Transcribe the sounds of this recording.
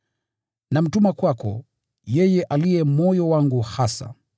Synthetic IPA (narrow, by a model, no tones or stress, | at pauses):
nam̩tumakwakɔ̰ | jɛjɛʔalijɛmɔjɔwaŋɡuhasa̰